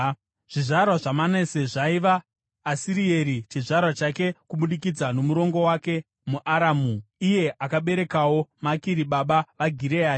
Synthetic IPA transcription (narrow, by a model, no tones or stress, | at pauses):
ʐ̥iʐaɾwaʐamaneseʐaiʋaː | siɾie̞ɾit͡ʃiʐarwat͡ʃake̞kuɓuɗik̬id͡zano̞muɾo̞ŋɡo̞wake̞ | muʔaɾaːmuije̞ʔakaɓe̞ɾe̞kawo̞makiɾiɓaɓaʋaɡʱiɾeaː